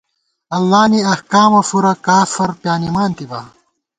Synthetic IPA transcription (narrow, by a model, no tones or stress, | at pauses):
ɐlːaːniɐhkaːmɐfuɾɐkaːfɐɾpjaːnimaːnt̪ibaː